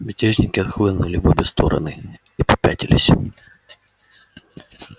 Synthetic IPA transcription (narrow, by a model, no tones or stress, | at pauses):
bʲɪtʲeʐnʲɪkʲɪɐt̪xlˠɨnʊlʲɪvɔbʲɛst̪oɾɐ̰nɨ | ipɐ̥pʲætʲɪlʲɪsʲ